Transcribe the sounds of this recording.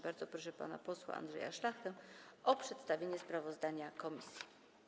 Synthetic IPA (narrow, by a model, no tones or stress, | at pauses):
baɾd̪zɔpɾɔʂɛpa̰na̰pɔswa̰ʔa̰nd̪ʐɛ̰ja̰ʂlaxt̪ɛɔpʂɛt̪st̪avʲjeɲɛspɾavɔzd̪aɲakɔmʲisʲji̥